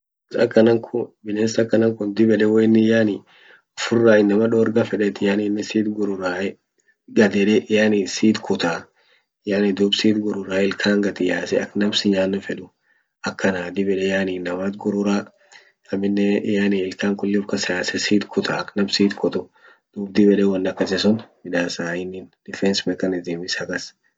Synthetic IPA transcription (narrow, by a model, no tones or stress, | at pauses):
sɐ̰kːɐnɐŋkʰʊbɪneːsɐkːɐnɐŋkʊnd̪ɪbɛᶑɛwɔɪnːɪjaːni | ʊfʊrːaːɪnːɐmɐᶑoːɾɡafɛᶑɛt̪ɪjaːninːɪsiːt̪ɡʊɾʊɾaːɛ | ɡɐd̪ɛᶑɛʔjaːniːsiːt̪kʰʊt̪aː | jaːnid̪ʊbsiːt̪ɡʊɾʊɾaːɪlkʰaːŋɡɐt̪ɪjaːsɛɐknɐmsɪɲaːnːɐfɛᶑʊ | ɐkːɐnaːd̪ɪbɛᶑɛjaːniːnːɐmat̪ɡʊɾʊɾaː | ɐmɪnːɛjaːniɪlkaːŋkʊlːɪfkɐsɪjaːsɛsiːt̪kʰʊt̪ʰaːɐknɐmsiːt̪kʰɔt̪ʊ | d̪̥uːbd̪ibɛᶑɛwɐnːɐkːɐsɛsʊnmɪᶑaːsaːɪnːind̪̥ɪfɛnsmɛkɐnɪzɪmɪsɐkɐs